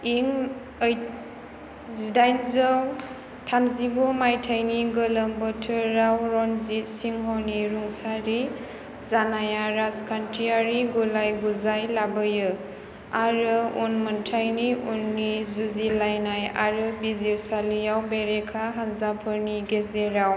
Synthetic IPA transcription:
iŋ | j | zidajnzəw | tʰamzibɔmajtʰajniɡələmbɔtʰɯɾawɾɔnzitsiŋɦɔniɾuŋsaɾi | zanajaɾaskʰantʰiaɾiɡulajɡuzajlabɯjɯ | aɾɯunməntʰajniunːizuzilajnaja̰ɾɯbizisalijawbeɾekʰaɦanzapʰɯɾniɡezeɾaw

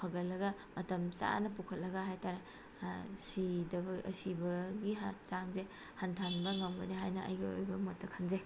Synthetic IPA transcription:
pʰɐɡɐlːɐɡɐmɐtɐmsa̰nɐpukʰɐt̚lɐɡɐɦajtaɾe | sidɐbɐɐ̰sibɐɡiat͡ʃaŋze | hantʰanbɐŋɐmɡɐniɦajnɐʔɐ̰jɡio̰jbɐmotːɐkʰanze

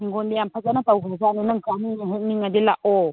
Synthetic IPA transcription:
ŋɡɔndejampʰazanatawbazananaŋkaniŋaɦuk̚niŋadilaʔɔ

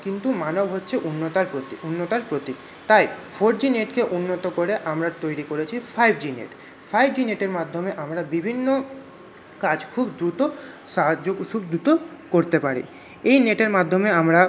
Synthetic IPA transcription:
kint̪umanobʱɦotːɕʰeʔunːot̪aɾpɾot̪iunːot̪aɾpɾot̪i | t̪ajfʰoɾd͡ʑineʈkeʔunːot̪okoɾeʔamɾaɾt̪ojɾikoɾet͡ɕʰifʰajbd͡ʑinḛʈ | fajbd͡ʑineʈeɾmad̪ʱːomeʔamɾabibʱinːo | kad͡ʑkʰubd̪ɾut̪oʃaɦad͡ʑokʃub̚d̪ɾut̪okoɾt̪epaɾḭ | ejneʈeɾmad̪ʱːomeamɾa

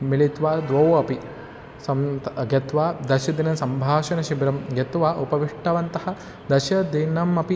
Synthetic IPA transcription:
milit̪ʋaːd̪ʋɐwɐpi | sɐmɡɐt̪ʋaːd̪ɐʃɐd̪inɐsɐmbʱaːʃɐnɐʃibɾɐmɡɐt̪ʋaːʔupɐʋiʂʈɐʋɐnt̪ɐhɐ̆ | d̪ɐʃɐd̪inɐmɐpi

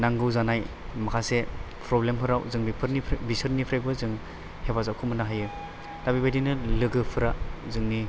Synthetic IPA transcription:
naŋɡɯwzanaj | makʰasepʰɾɔblempʰɯɾawzɯŋbipʰɯɾnibisɯɾnipʰɾajbɯzɯŋ | hebazawkʰɯmɯnaɦajɯ | d̥abibajdinɯlɯɡɯpʰɯɾazɯŋni

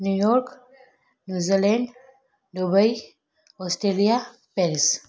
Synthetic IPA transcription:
njujɔɾk | njud͡zileɳɖ | ɖobəj | ɔsʈɾelija | peɾs

